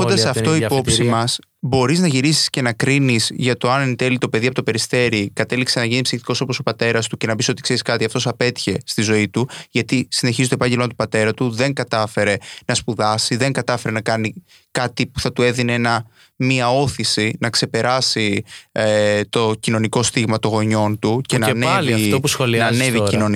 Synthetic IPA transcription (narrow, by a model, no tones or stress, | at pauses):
od̪ɐsɐft̪o̞ipo̞psimɐs | bo̞ɾiznɐʝiɾisi̥sce̞nɐkɾinizʝɐt̪o̞ɐnnt̪e̞lit̪o̞pe̞ðiɐpot̪e̞ɾist̪e̞ɾikɐt̪e̞liksenɐʝinipsixt̪iko̞so̞po̞so̞pɐt̪e̞ɾɐst̪uce̞nɐpiso̞t̪ikse̞ɾiskɐt̪iɐft̪o̞sɐpe̞t̪i̥çe̞st̪izo̞it̪uʝɐt̪isine̞çizt̪oepɐɲɟelmɐt̪u̥pɐt̪e̞ɾɐt̪uðe̞ŋkɐt̪ɐfe̞ɾe̞nɐspuðɐsiðe̞ŋɡɐt̪ɐfe̞ɾe̞nɐkɐni | kɐt̪ipu̥θɐt̪ue̞ðineenɐ | miɐo̞θisinɐkse̞pe̞ɾʔɐsi | t̪o̞cino̞niko̞st̪iɣmɐt̪oɣo̞ɲo̞nt̪ucenɐnviopusxolinɐneviino̞n